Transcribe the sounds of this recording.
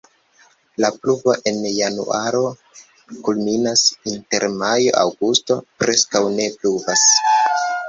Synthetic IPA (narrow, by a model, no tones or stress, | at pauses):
lapluvo̞ʔe̞njanṵʔaɾo̞ | kulminasinte̞̰ɾmajo̞̰ʔa̰wɡusto̞pɾe̞skawne̞pluvas